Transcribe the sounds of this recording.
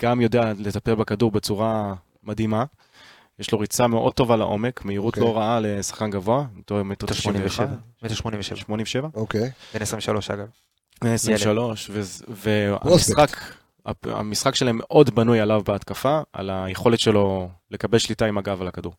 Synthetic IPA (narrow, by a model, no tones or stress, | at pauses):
ɡ̥amjo̞deale̞t̪apelbakaduʁbe̞t͡suʁa | mad̪ima | jeʃlo̞ʁit͡same̞ʔo̞̰d̚to̞valaʔo̞̰me̞kmeiʁut̪lo̞ʁaale̞sḁχkanɡavo̞atomet̪tʃoniʃeamet̪eʃmonimveʃevʃmonĩmveʃevaokebenesʁimveʃaloʃa̰ɡav | benesʁiʃalo̞ʃvevea̰isχak | a̰a̰misχakʃelaemːeʔo̞dbanujalavbeat̪kafaa̰lajeχo̞let̪ʃe̞lo̞le̞kabelʃlitaimaɡavalakaduʁ